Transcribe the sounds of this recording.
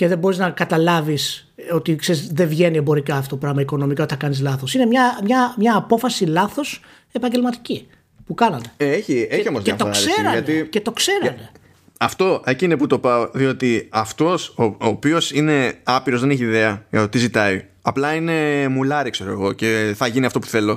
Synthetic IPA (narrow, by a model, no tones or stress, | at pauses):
ce̞ðebo̞ɾiznɐkɐt̪ɐlɐvis | o̞t̪ikse̞ɾizðe̞vʝe̞niebo̞ɾikɐft̪ot̪opɾɐɣmɐiko̞no̞mikɐot̪θɐkɐnizlɐθo̞sinemɲɐmɲɐmɲɐːpo̞fɐsilɐθo̞s | e̞pɐɲɟe̞lmɐt̪i̥ci | pukɐnɐt̪e̞̥eeçieçio̞mozeɐt̪oksseɾɐʝɐnt̪ice̞t̪o̞kse̞ɾɐne̞ | ɐft̪o̞ecineput̪o̞pɐoðio̞t̪iɐft̪o̞sooːpio̞sine̞ɐpiɾo̞zðeneçiːðe̞ɐʝɐt̪o̞t̪izit̪ɐi | ɐplɐine̞mulɐɾikse̞ɾoeɣo̞ceθɐʝiniɐft̪o̞pu̥θe̞lo̞